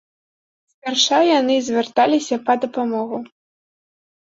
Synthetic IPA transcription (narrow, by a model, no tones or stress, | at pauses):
sʲpʲarʂawjanɨzʲvʲɛrt̪alʲisʲɐpɐd̪ɐpamɔɣu